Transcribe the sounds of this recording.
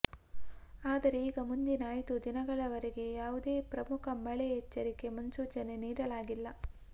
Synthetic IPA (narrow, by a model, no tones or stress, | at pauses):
aːd̪ɐɾe̞iːɡɐmund̪inaːjt̪ud̪inɐɡɐɭɐʋɐɾeɡe̞jaːʋud̪e̞ːpɾɐmukʰɐmɐɭeɦɛt͡ʃːɐɾike̞mɐnsuːt͡ʃɐne̞niːɾɐlaːɡilːɐ